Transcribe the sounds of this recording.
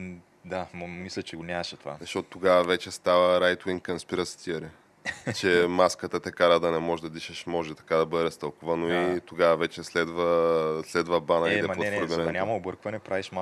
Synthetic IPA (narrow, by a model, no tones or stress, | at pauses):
d̪ammislʲɐt͡ʃɛɡonʲaʃɛt̪ovazɐʃtɔt̪ʊt̪oɡavəvɛt͡ʃɛst̪avəɾajt̪wiŋkɐnspiɾəst̪ʰiəɾi | t͡ʃɛmaskət̪ət̪ɛkaɾad̪ɐnɛmɔʒɛd̪ɐd̪iʃɛʃmɔʒɛt̪ɐ̥kad̪ɐbɤd̪ɛst̪ɐlˠkuvənoit̪oɡavɐvɛt͡ʃɛslɛd̪vəslɛd̪vəbanəid̪ɛɾɡɛnɛnʲamɐobɤɾkvɐnɛpɾaviʃma